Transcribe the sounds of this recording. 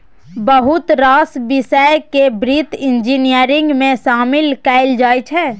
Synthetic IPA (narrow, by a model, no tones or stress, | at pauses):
bəɦʊt̪ɾaːsbɪsəjkebɾit̪ɪ̃nd͡ʒiːnijəɾɪ̃ŋɡmẽʃaːmɪlkɛːɪld͡ʒaːjt͡ʃʰɛː